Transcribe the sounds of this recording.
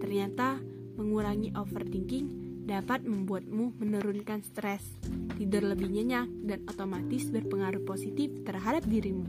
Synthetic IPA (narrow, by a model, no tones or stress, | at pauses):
t̪ərɲat̪a | məŋuɾaŋiʔofərd̪iŋkɪŋdapat̪̚məmbuat̪̚mumənuɾunkanst̪ɾɛs | t̪idʊrləbihɲəɲak̚danot̪omat̪ɪsbərpəŋaɾuhposit̪ɪft̪ərɦadap̚diɾimu